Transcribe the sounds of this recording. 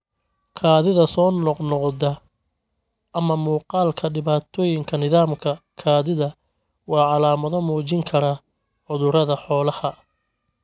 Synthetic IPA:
kʰaːðɪðɐsɔːnɔqnɔqðɐ | ʔɐmɐmuːqɑːlkʰɐɖɪβaːt̪ʰɔːjɪŋkʰɐnɪðaːmkʰɐkʰaːðɪðɐ | wɑːʕɑlaːmɐðɔmɔːt͡ʃɪŋkʰɐɾɐ | ħʊðʊɾɐðɐħɔːlɐhɐ

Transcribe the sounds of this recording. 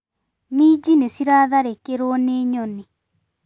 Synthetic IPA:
mid͡ʒinesiɾaːðaɾekeɾwɔneːɲɔni

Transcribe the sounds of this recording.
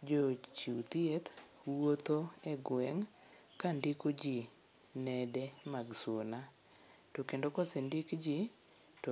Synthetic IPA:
d͡ʒot͡ʃit̪iet̪ | wot̪oɛɡwɛŋ | kandikod͡ʒi | nɛdɛmaɡswona | tokendokosendikd͡ʒi | to

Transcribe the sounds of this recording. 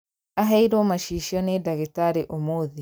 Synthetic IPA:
aɦaiɾomaʃiʃiɔnedaɣitaɾeʔomoði

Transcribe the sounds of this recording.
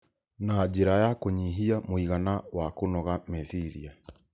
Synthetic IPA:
nad͡ʒeɾajakoɲiɦiamoiɣanawakonɔɣamesiɾia

